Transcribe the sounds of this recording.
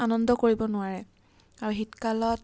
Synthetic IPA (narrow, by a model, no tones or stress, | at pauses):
anɔndɔkoɹibɔnʊaɹɛ | aɹuɦitkalɔt